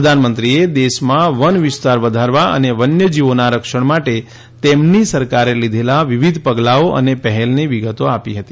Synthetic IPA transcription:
əd̪ʱanmənt̪ɾied̪eʃmãʋənʋɪst̪aɾʋəd̪ʱaɾʋaə̰neʋənjəd͡ʒiʋonaɾəkʃəɳmaʈe | t̪emnisəɾkaɾelid̪ʱelaʋiʋid̪ʱpəɡlaoʔə̰nepəɦɛlniʋiɡət̪oapiɦət̪i

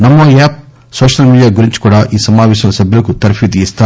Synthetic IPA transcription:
nɐmːɐjaːp̚ | soːʃɐlmiːɖijaːɡuɾiɲt͡ʃkuːɽaʔiːsɐmaːʋɛːʃ̬ɐnɐsɐbʱjɐlɡut̪ɐɾpʰid̪ijist̪a

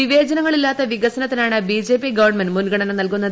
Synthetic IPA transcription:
iʋe̞ːd͡ʑɐnɐŋːɐɭilːaːt̪ːɐʋiɡɐsɐnɐt̪ːɐnaːɳɨbid͡ʑe̞ːpiɡɐʋɐrɳmenmunɡɐɽɐnɐmnɐlkunːɐð

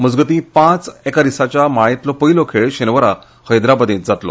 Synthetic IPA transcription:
məd͡zɡət̪ĩːpãt͡sɛkaɾisat͡ɕjamaɭ̃it̪lɔpəɦilokʰeɭɕenʋəɾa | həjd̪ɾabəd̪ĩːt̪̚d͡zat̪lo̰

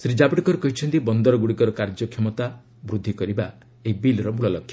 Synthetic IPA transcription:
sɾid͡ʒabiʈɔkɔɾekɔɦit͡ʃʰɔnt̪ibɔnd̪ɔɾɔɡuɽikɔɾɔkaɾd͡ʒɔkʰemɔt̪a | bɾud̪ʱːikɔɾiba | eɦibilɾɔmuɭɔlɔkʰjɔ̥

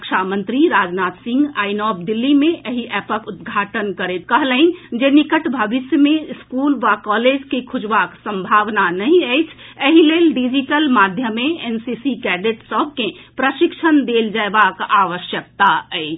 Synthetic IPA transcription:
əkʃʰamənt̪ɾiɾad͡ʒnat̪sĩŋɡainɔbd̪ilːimẽʔəɦiʔɛpəkud̪̚ɡʱaʈənkəɾekəɦlə̃ĩnd͡ʒenikəʈbʱəʋisjəmeskulʋakɔled͡ʒkikʰud͡ʒbaksə̃mbʱaʋnanəɦĩəɪt͡ʃʰəɦilelɖid͡ʒiʈəlmad̪ʱjəmeensisikɛɖeʈsəb̚ʱkepɾəʃikt͡ʃʰənd̪eld͡ʒaebakaʋəʃjək̚t̪aɛɪ

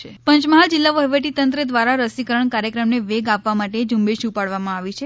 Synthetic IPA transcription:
pəɲt͡ʃməɦald͡ʒilːaʋəɦʋəʈit̪ənt̪ɾəd̪ʋaɾaɾəsikəɾəɳkaɾjəkɾəmneʋeɡapʋamaʈed͡ʒumbeʃupaɽʋamãaʋit͡ʃʰe

